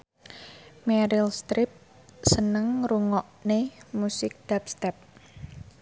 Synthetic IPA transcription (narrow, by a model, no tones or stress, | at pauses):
mɛɾilst̪ɾɪp̚ | sənəŋɾuŋɔʔnemusɪk̚d̪̥ap̚st̪ɛp̚